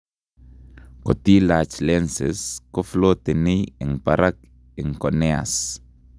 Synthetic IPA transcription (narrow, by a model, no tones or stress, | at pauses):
kot̪ilat͡ʃlɛnseskoflot̪enijeŋpaɾak | eŋkonea̰s